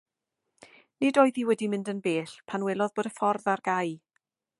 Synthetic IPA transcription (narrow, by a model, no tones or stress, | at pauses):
nɪdoːjðiwɛdimɪ̃ndənbeːɬpʰanwɛlˠɔðboːdəfɔrðarɡ̥aj